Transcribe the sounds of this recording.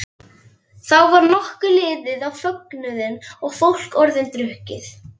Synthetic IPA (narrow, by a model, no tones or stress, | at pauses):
θawvaɾnɔhkʏlɪːðɪðawfœknʏðɪnɔɣfowl̥kɔɾðɪnt̪ɾʏhcɪθ